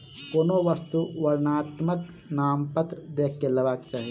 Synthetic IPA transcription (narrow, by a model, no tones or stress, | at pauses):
koːnoːʋɐst̪uʋɐɾnaːt̪mək | naːmpɐt̪ɾəd̪eːk̚ʰkːelɐʋaːkt͡ʃaːɦije